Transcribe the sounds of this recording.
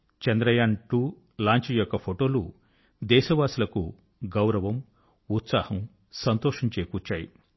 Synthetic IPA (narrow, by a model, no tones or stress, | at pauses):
t͡ʃɐnd̪ɾɐjaːɳʈuː | laːɲt͡ʃɐjɔkːɐpʰoʈo̞ːlu | d̪ɛːʃɐʋaːsilɐku | ɡɐwɾɐʋɐm | ut̪saːhɐm | sɐnt̪oːʂiɲt͡ʃeːkuːt͡ʃːaːjḭ